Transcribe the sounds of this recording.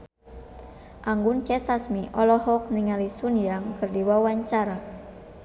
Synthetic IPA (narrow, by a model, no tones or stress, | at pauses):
ʔaŋɡunkɛsasmiʔɔlɔhɔk̚niŋalisunjaŋkɨrdiwawaɲt͡ʃaɾa